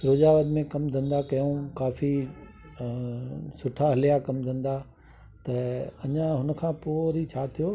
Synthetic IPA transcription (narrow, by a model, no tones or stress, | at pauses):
ɾoːd͡ʑaːʋəd̪mẽkɐmd̪ʱɐ̃nd̪akɐjũkaːfi | sʊʈʰaɦɐlijakɐmd̪ʱɐ̃n̆d̪a | t̪ɐɐɲãɦʊnəkʰãːpoːɾit͡ɕʰaːt̪ʰijoː